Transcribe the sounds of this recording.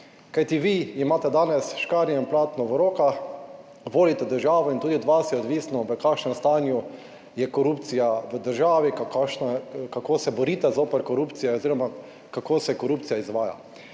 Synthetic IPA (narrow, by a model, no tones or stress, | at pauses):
kajt̪iʋiimaːt̪ɛd̪aːnɛsʃkaːɾjɛimplaːt̪nɔʋɔɾoːka | ʋoːlit̪ɛd̪əɾʒaːʋɔint̪uːd̪iɔd̪ʋasjɛɔd̪ʋiːsnɔʋəkaːkʃnɛmst̪aːnju | jɛkɔɾuːpt̪sijaʋəd̪əɾʒaːʋikakaʃnakakoːsɛbɔɾiːt̪ɛzoːpəɾkɔɾuːpt̪sijɛoziːɾɔma | kakoːsɛkɔɾuːp̪̚sijaizʋaːja̰